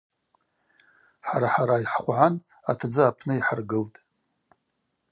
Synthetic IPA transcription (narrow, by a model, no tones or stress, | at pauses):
ħaɾaħaɾaiħχʷʕan | atʰd͡zɨapʰnɨiħarɡɨltʼ